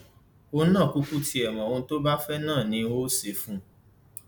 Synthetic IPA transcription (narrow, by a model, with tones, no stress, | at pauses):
o˦nã˦˨ku˦ku˦ti˧˦ɛ˨mã˨o˧ñ̩˦to˦ba˦fɛ˦nãː˦˨nĩ˧o˦se˧˨fũ˦